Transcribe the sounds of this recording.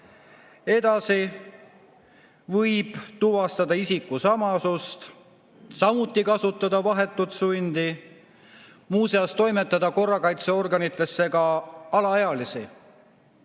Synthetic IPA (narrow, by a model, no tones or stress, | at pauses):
e̞d̪̥ɑsi | vɤjb̥t̪uvɑst̪ɑd̪ɑisikːˑusɑmɑsust̪ | sɑmut̪ːˑikɑsut̪ːˑɑd̪ɑvɑɦe̞t̪ːˑut̪sunʲd̪̥i | muːseɑst̪o̞jme̞t̪ˑːɑd̪ɑko̞rːɑkɑjt̪seo̞rɡɑnit̪ˑːe̞sːe̞ɡɑɑlɑeɑlisi